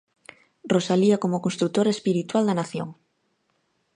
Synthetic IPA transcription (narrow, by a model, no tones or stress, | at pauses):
rosaliakomokonst̪ɾut̪oɾaespiɾit̪wald̪ɐnaθjoŋ